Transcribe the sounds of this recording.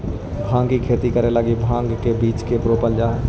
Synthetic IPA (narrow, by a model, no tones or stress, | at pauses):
bʱãːŋɡkikʰeːt̪ikəɾeləɡibʱãːŋɡkebiːt͡ʃkepɾoːpəld͡ʒaɦɛ